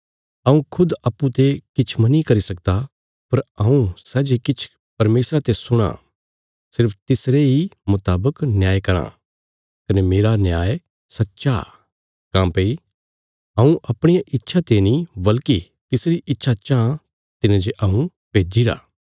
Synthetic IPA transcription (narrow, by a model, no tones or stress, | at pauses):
ɐũkʰʊd̪ɐpːũt̪ekɪt͡ʃʰmɐnikɐɾisɐk̚d̪a | pɐɾɐ̃ũsɛːd͡ʒekɪt͡ʃʰ | pɐɾmeːsɾat̪esʊɽ̃a̰ | sɪɾpʰt̪ɪsɾeɦimʊt̪aːbəknjaːjkɐɾã̰ | kɐnemeːɾanjaːe | sɐtːʃa | kãːpei | ɦɐ̃ũʔɐpɽ̃ijaʔɪtːʃʰat̪enĩbɐlki | t̪ɪsɾiʔɪtːʃʰat͡ʃãː | t̪ɪned͡ʒeʔɐːũ | peːd͡ʒiɾa̰ː